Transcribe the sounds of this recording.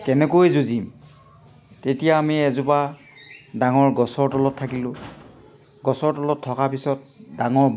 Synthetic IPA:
kɛnɛkojzuzim | tetijaːmiɛzupa | daŋɔɹɡɔsɔɹtɔlɔtʰːakilʊ̃ | ɡɔsɔɹtɔlɔtʰːɔkapisɔt̚daŋɔɹ

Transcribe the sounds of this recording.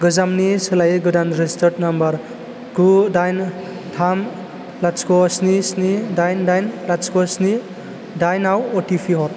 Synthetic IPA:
ɡɯzamnisɯlajɡɯdanɾestɐɾdnambɐɾ | ɡudajn | tʰam | laskʰɔsnisnidajndajnlat͡ʃkɔsni | dajnawɔtipʰiɦɔt

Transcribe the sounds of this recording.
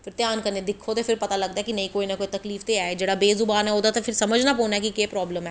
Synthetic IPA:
fɪɾt̪jaːnkɐɾned̪ɪkʰːot̪efɪɾpɐt̪alɐɡ̚d̪aɦɛkinɐɦĩkoːinɐkoːit̪ɐkliːft̪eaːed͡ʒɐːɽabeːzʊbaːnɦɛoːd̪at̪efɪɾsɐməd͡ʒʱnapoːnaɦɛkikepɾɔːbləmɦɛː

